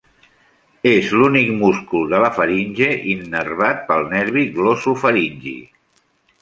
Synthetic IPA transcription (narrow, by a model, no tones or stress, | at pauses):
ezlunikmuskulˠd̪ələfəɾinʲʒeʔinːərβat̪̚pəlˠnɛɾβiɣlosufəɾinʲʒḭ